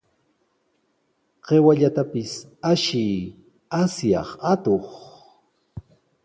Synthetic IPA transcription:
qewaʎat̪apɪsaʃi | asjɑ̰χat̪oχ

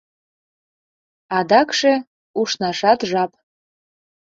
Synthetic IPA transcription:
ɑd̪ɑkʃe | uʃnɑʃɑt̪ʒɑp̚

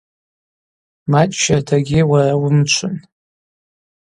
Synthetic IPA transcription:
mat͡ʃʼʃatʰaɡʲɪwarawʊmt͡ʃʷʰʊn

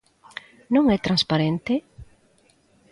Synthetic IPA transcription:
nõŋɛt̪ɾãnspaɾent̪ɪ

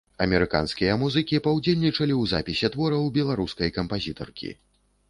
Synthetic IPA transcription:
ɐmʲɛɾɨka̰nskʲijɐmuzɨkʲipawd͡zʲelʲnʲit͡ʂɐlʲiwza̰pʲisʲɛt̪vɔɾɐwbʲɛlˠaɾuskɐjkɐmpazʲit̪ɔ̰rkʲḭ

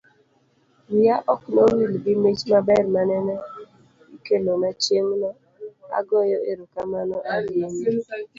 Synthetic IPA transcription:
wiaʔɔknowilɡɪmet͡ʃmabɛrmanɛnɛ | ikelomat͡ʃemna | a̰ɡɔjɔeɾokamanɔʔaɾjeni

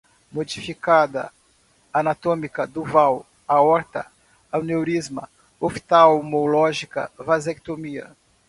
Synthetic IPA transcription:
mod͡ʒifikad̪ɐ̰ | anat̪õmikɐd̪ʊvaw | aɔɾt̪ɐ̰ | awnewɾizmɐ̰ | ofi̥t̪awmolɔʒikɐ̰vazɛk̚t̪omiɐ̰

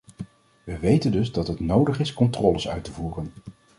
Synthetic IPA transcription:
ʋəʋejtəndɵzdɑtɦətnowdəχɪskɔntrɔːləsœ̰ɥtəvuːrən

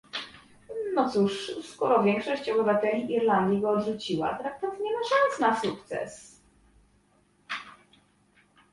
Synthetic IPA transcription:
nɔt̪suʂskɔɾɔvʲjɛŋkʂɔɕt͡ɕɔbɘvat̪ɛlʲiʔiɾland̪ʲjiɡɔːd̪ʐut͡ɕiwa̰t̪ɾak̚t̪ɔvɲɛmaʂansnasukt̪sɛ̰s

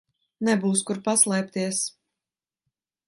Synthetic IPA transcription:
nɛbuːskuɾpaslˠɛːp̚t̪iɛs

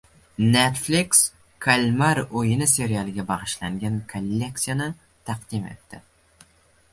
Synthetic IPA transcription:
net̪fliks | kʰalʲmaɾojɪnɪse̞ɾijalˠɪɡʲabɑʁɨʃlaŋɡʲankʰolʲːe̞k̚t̪sijanɪ | t̪ʰɑqd̪̥ɪme̞̰t̪ːɪ

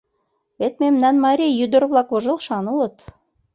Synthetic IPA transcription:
βet̪̚memnænmɑɾʲijyd̪oɾvlˠɑkoʒɤ̆lˠʃɑnuot̪

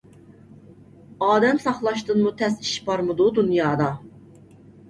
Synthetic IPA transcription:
ɑːd̪ɛmsɑχlˠɑʃt̪ɨnmut̪ʰɛsi̥ʃbɑɾmɨd̪ud̪unjɑːd̪ɑ

